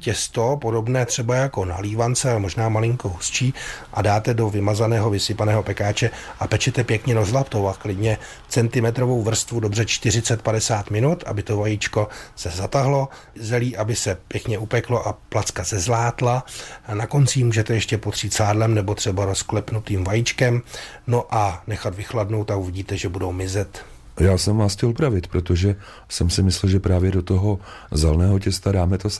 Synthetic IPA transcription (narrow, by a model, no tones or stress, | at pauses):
cɛst̪opo̞do̞bnɛːt̪r̝̥ɛbajako̞na̰liːvant͡sɛamoʒnaːmalɪŋkoɦust͡ʃiːʔa̰daːt̪ɛdo̞vɪmazanɛːɦo̞vɪsɪpanɛːɦo̞pɛkaːt͡ʃɛʔapɛt͡ʃɛt̪ɛpjɛkɲɛɾozlapt̪owaklɪdɲɛ | t͡sɛnt̪ɪmɛt̪ɾovo̞wvr̩st̪vudobrɛt͡ʃt̪ɪrɪt͡sɛt̪̚padɛsaːt̪mɪnut̪ʔa̰bɪt̪o̞vajit͡ʃko̞sɛzat̪aɦlo̞ | zɛliːʔabɪsɛpjɛkɲɛʔupɛklo̞ʔaplat͡skasɛzlaːt̪lanako̞nt͡simuːʒɛt̪ɛjɛʃcɛpo̞t̪r̝̥iːt̪saːdlɛmnɛbo̞t̪r̝̥ɛbaɾo̞sklɛpnut̪iːmvajit͡ʃkɛm | no̞ʔanɛxat̪vɪxladno̞wt̪ːakuvɪɟiːt̪ɛʒɛbudowmɪzɛt̪ | jaːsɛmascɛlpɾavɪt̪pɾot̪oʒɛ | sɛmsɪmɪslɛlʒɛpɾaːvjɛdot̪oɦo̞ | zɛlnɛːɦocɛst̪adaːmɛt̪os